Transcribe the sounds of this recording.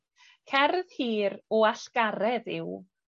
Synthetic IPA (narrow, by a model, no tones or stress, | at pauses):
kʰɛrð̥hiːɾɔaɬɡ̥aɾɛðɪw